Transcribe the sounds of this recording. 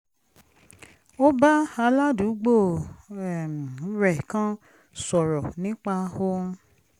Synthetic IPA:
o˦ba˦a˧la˦du˨˦ɡ͡bo˦˨ɛ˨m̃˨˦ɾɛ˨kã˦ | sɔ˨ɾɔ˨nĩ˦k͡pa˧ho˧˦

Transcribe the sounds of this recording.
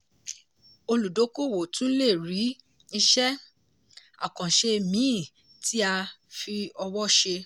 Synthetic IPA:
o˧lu˨do˨˦ko˦˨wo˨tũ˦le˦˨ɾi˨˦ | i˧ʃɛ˦ | a̰˨kã˨ʃe˧mĩ˨˦˨ | tʰi˦a˧fi˧ɔ˧wɔ˦ʃe˧

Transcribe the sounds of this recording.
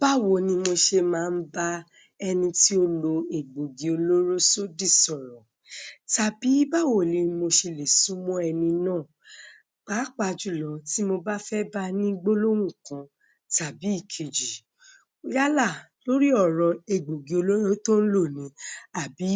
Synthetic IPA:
b̥a˦wo˨nĩ˧mo˧ʃe˧mãː˨˧n̩˦ba˦ | ɛ˧nĩ˧ti˦o˧lo˧e˨ɡ͡bo˨ɡe˨o˧lo˦ɾo˦so˦di˦˨sɔ˨ɾɔ̃˨ | ta˨bi˨˦ba˦˨wo˨li˨˧mo˧ʃe˧le˨su˨˦mɔ̃˦ɛ˧nĩ˧nãː˦˨ | k͡pa˨˦k͡pa˧˨d͡ʒu˨˦˨lɔ˨˦ti˦mo˧ba˦fɛ˦ba˦nĩ˦ɡ͡bo˦lo˦wũ˦˨kã˨˧ | ta˨bi˨˦i˦˨kʰe˨d͡ʒi˨ | o˦ja˦la˦˨ | lo˦ɾi˦ɔ˦˨ɾɔ˧e˨ɡ͡bo˨ɡi˨o˧lo˦ɾo˦tõ˦n̩˦lo˦˨nĩ˨˦a˨bi˨˦

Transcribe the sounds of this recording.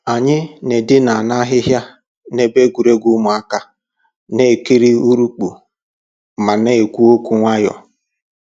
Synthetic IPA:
a˨ɲɪ˦ne˨dɪ˦na˨a˨na˦ɦɪ˦ɦja˦ | ne˨be˦ɡu˨ɾe˦ɡu˦mʊ˨a˦ka˦ | ne˦e˨ki˦ɾi˦u˦ɾu˦k͡pu˨ | ma˨ne˦e˨kʷu˦o˦kʷu˨ŋʷa˦jɔ̰˨

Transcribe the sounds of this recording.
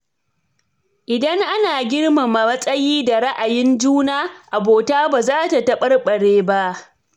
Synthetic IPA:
ʔɪ˨dɐ˦ŋʔa˦naː˨ɡʲɪ˦ɽma˨mɐ˨ɐ˦sʼɐ˦jiː˦da˨ɽɐ˦ʔa˨jɪ˦nd͡ʒuː˦naː˦ʔa˨boː˨taː˦baː˨zaː˦ta˨tɐ˦ɓɐ˦rɓɐ˨ɽeː˦ba˦ʔ

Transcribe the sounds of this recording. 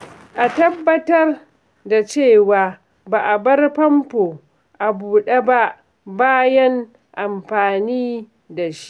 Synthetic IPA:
ʔa˨tɐ˦bːɐ˦tɐ˦r | da˨t͡ʃeː˦˨waː˨ | baː˨ʔa˨bɐ˦rɸɐ˦mpoː˨ | ʔa˨buː˨ɗe˦ba˦ʔ | baː˦jɐ˦ŋ | ʔa˨mɸaː˨niː˦ | da˨ʃi̥˦ʔ

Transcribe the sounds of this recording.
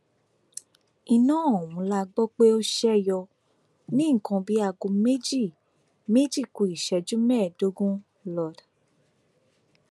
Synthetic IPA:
i˧nãː˦˨o˨wũ˨˦la˦˧ɡ͡bɔ˦k͡pe˦o˦ʃɛ˦˨jɔ˧ | nĩ˦ŋ̩˨kã˧bi˨˦a˧˨ɡo˧me˦d͡ʒi˦˨ | me˦d͡ʒi˦˨ku˨i˨ʃɛ˧˨d͡ʒũ˦mɛː˦˨do˨˦ɡũ˦ | lɔ˨d

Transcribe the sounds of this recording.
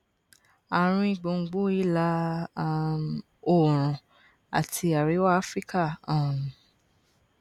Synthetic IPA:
a˨ɾ̃ũ˧i˦˨ɡ͡bõ˨˧ŋ̩˧ɡ͡bo˦i˦la˧˦ | o˦˨ɾ̃ɔ̃˨ | a̰˨tʰi˧a˨ɾi˨˦wa˦a˦fɾi˦ka˦˨ã˨ɾ̃ũ˨

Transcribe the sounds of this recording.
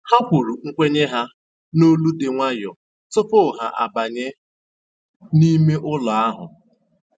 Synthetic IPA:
ha˦kʷu˨ɾu˨ŋ̩˦kʷe˦ɲe˦ɦa˦ | no˦lu˦de˨ŋʷa˦jɔ˨ | tʊ˦pʊ˦˨ɦa˨ʔa̰˨ba˨ɲe˦ | ni˦me˦ʔʊ˦lɔ˨a˦ɦʊ̰˨

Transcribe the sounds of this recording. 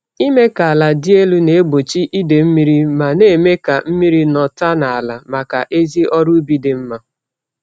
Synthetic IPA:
i˦me˦ka˨a˨la˨dɪ˦e˦lu˦ne˨e˦ɡ͡bo˨t͡ʃi˦ʔi˦de˨m̩˦mi˦ɾi˦ma˨ne˦˨me˦ka˨m̩˦mi˦ɾi˦nɔ˨ta˦na˨a˨la˨ma˨ka˨ʔe˦zi˦ʔɔ˦ɾu˦bi˦de˨m̩˦ma˨

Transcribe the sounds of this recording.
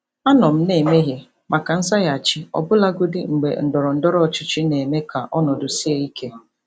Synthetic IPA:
a˦nɔ˨m̩˦ne˨me˦ɦje˨ | ma˨ka˨n̩˦sa˦ja˨t͡ʃɪ˦ɔ̰˨bʊ˦la˦ɡʊ˦dɪ˦ŋ͡m̩˨ɡ͡bḛ˨n̩˨dɔ˨ɾɔ˨n̩˦dɔ˦ɾɔ˦ɔ˨t͡ʃʊ˦t͡ʃɪ˦ne˨me˦ka˨ʔɔ˦nɔ˨dʊ˨si˦e˦i˦kʰe˦

